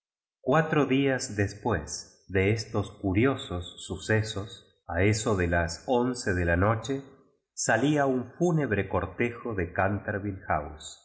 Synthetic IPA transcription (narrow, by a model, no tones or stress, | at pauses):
kwat̪ɾoðiazd̪espwez | ðeest̪o̞skuɾjo̞sosːusesos | aeso̞ðelasonseðelano̞t͡ʃe | saliauɱfuneβ̞ɾekoɾt̪exoðekant̪aɾβilxa̰ws